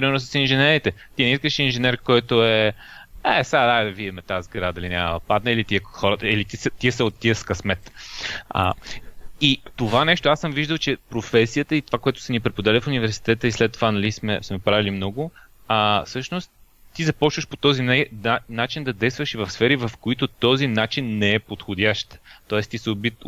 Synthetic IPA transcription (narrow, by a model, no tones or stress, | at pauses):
pɾimɛɾnosəsinʒɛnɛɾit̪ɛt̪inɛiskəʃinʒɛnɛɾkɔjt̪oɛ | ɛsaad̪ad̪vid̪ɛmɛt̪azɡɾad̪ɐlinʲa̰məɐpad̪nɛilit̪iɛxɔɾət̪əilit̪isɛt̪iɛsɛot̪ːiəskɐsmɛt̪ | ə̰ | it̪ovanɛʃt̪oasɤmviʒd̪əlˠt͡ʃɛpɾofɛsijət̪əit̪ovakoɛt̪ʊ̥sɛnipɾɛpod̪alʲəfʊnivɛɾsi̥t̪ɛt̪əislɛt̪ːovanɐlismɛ̰smɛpɾavilimnɔɡʊ | əsɤʃnost̪ː | izɐpɔt͡ʃvəʃpo̥t̪ɔzinɛanat͡ʃind̪ɐd̪ɛjst̪vəʃivɐfsfɛɾivɐfkoit̪ot̪ɔzinat͡ʃinːɛɛpot̪xod̪ʲaʃt̪ə̥t̪ɔɛst̪isɛobit̪